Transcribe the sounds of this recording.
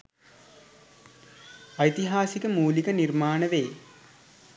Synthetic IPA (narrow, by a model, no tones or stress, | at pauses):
ɐjt̪iɦaːsikəmuːlikənirmaːnəʋeː